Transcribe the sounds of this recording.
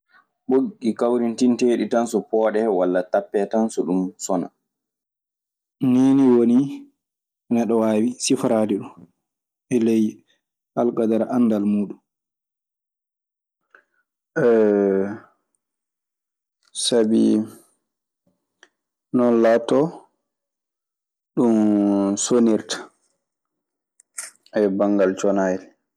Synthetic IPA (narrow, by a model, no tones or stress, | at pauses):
ɓoɡːikawɾintinteːɗitansɔpɔːɗɛwalːatapːɛtansɔɗumsɔna̰ | niniwoni | nɛɗɔwaːwisifɾaːliɗun | ʔɛlej | halkadaɾaʔanːdalmuːɗun | ʔɛ | sabi | nɔnlatːɔ | ɗunsoniɾtḁ | ɛbaŋɡalt͡ʃɔnajɛl